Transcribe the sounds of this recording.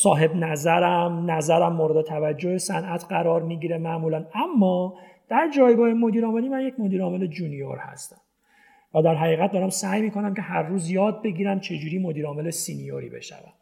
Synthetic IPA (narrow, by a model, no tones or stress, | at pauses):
sɒːɦe̞bnæzæɾæmnæzæɾæmːoɾed̪e̞t̪ʰævæd͡ʒːohesænʔæt̪ʰɢæɾɒːɾmiːɟiːɾemæʔmuːlænæmːɒː | d̪̥æɾd͡ʒɒːjɡɒːhemo̞d̪iːɾɒːme̞liːmænjecmo̞d̪iːɾɒːme̞le̞d͡ʒunijo̰ɾhæ̰st̪æm | væd̪æɾɦæɣiːɣæt̪̚d̪ɒːɾæmsæjmiːkʰo̞næmcʲʰe̞hæɾːuːzjɒːd̪̚be̞ɟiːɾæmt͡ʃʰe̞d͡ʒuːɾiːmo̞d̪iːɾɒːme̞lesinijo̰ɾḭːbe̞̰ʃæ̰væ̰m